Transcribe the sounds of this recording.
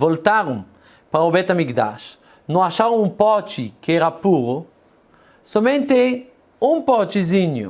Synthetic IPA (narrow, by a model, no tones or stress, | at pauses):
volt̪aɾũ | pɾaobɛt̪amikd̪a̰ʃ | nõaʃaɾõũpɔt͡ʃikeɛɾapuɾʊ | somẽnt̪e | ũŋpɔt͡ʃiziɲʊ̰